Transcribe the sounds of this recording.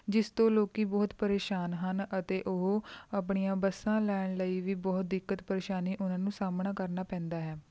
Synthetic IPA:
d͡ʒɪst̪õːloːkiːbɔːt̪pəɾeːʃaːnɦənət̪eːʔoɦoap̬ɳijãːbəsːãːlɛːɽɳ̃ləiːʋiːbɔːt̪̚d̪ɪkːət̪pəɾeːʃaːniːʔʊnãːnũːsaːmɳaːkəɾnaːpɛ̃ːnd̪aːɦɛː

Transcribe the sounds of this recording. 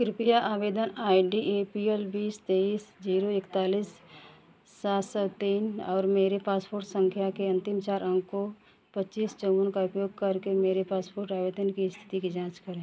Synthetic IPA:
kɪɾɪpijaʔaːʋeːd̪ənaːiɖieːpielbiːst̪eːiːsd͡ʒiːɾoɪkt̪aːliːsː | aːt̪sɔt̪iːnɔːɾmeːɾepaːspoːɾʈsə̃ŋkʰjakeɐ̃nt̪ɪmt͡ʃaːɾʔə̃ŋɡko | pətːt͡ʃiːst͡ʃəwənkaʊpjoːɡ̚kɐɾkemeːɾepaːspoːɾʈaːʋeːd̪ənkiɪst̪ʰɪ̥t̪ikid͡ʒãːt͡ʃkəɾẽ

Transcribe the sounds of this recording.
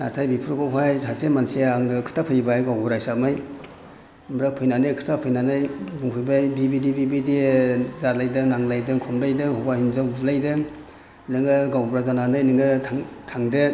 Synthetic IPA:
natʰajbipʰuɾukowɦajsasemansiaŋnɯkʰɯ̥tʰapʰɯjbajɡawɡuɾajsak̚mɯj | mɾak̚pʰɯjnanɯkʰɯ̥tʰapʰɯjnanɯjbuŋpʰɯjbajbibidibibidizalajdɯnaŋlajdɯŋkʰɔmlajdɯhɔbahinzawblajdɯ | lɯŋɯɡawbɾazananɯjnɯŋɯtʰaŋtʰaŋdɯ

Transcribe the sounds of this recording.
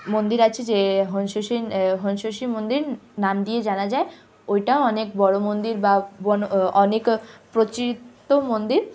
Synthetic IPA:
mond̪iɾat͡ɕʰid͡ʑeɦonʃoʃiɦonʃoʃimond̪iɾnamd̪ied͡ʑanad͡ʑae | ojʈaoɔnekbɔɽomond̪iɾbabɔnoɔnekpɾot͡ɕɾit̪ːomond̪iɾ

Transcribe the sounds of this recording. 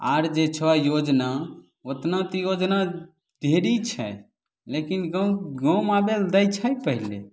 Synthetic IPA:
a̰ɾd͡ʒet͡ʃʰɔajod͡ʒna | ot̪nat̪ɔjod͡ʒna | d̪ʱeɾit͡ʃʰɛ̰ | lekinɡə̃ɡə̃mabeld̪ət͡ʃʰəjpəɦilḛ

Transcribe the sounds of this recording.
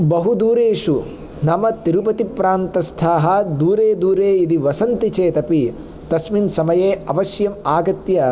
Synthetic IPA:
bɐɦud̪uːɾeːʃu | nɐmɐt̪iɾupɐt̪ipɾaːnt̪ɐst̪ʰaːɦɐd̪uːɾeːd̪uːɾeːid̪iʋɐsɐnt̪it͡ʃeːt̪ɐpi | t̪ɐsminsɐmɐjeːɐʋɐʃjɐmaːɡɐt̪jɐ

